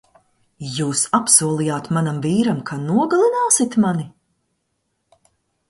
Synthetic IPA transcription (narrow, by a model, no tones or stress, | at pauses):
juːsapsuɔlˠijaːt̪manamviːɾamkʰanuɔɡalˠinaːsit̪mani